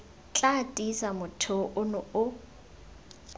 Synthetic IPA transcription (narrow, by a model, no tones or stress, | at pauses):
t͡ɬʼatʼisamʊtʰʊʔʊnʊʊ